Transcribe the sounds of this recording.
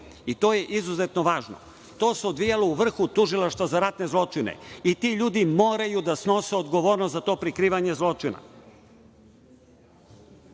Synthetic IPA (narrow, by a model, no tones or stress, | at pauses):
it̪o̞ːje̞ʔizuze̞t̪noʋaːʒno̰ | t̪o̞ːseod̪ʋijalouʋr̩xut̪uʒilˠaʃt̪ʋazaɾat̪ne̞zlˠo̞t͡ʃinḛit̪iʎuːd̪imo̞ːɾajud̪asno̞seod̪ɡoʋoːɾnoszat̪o̞ːpɾikɾiːʋaɲe̞zlˠo̞t͡ʃina̰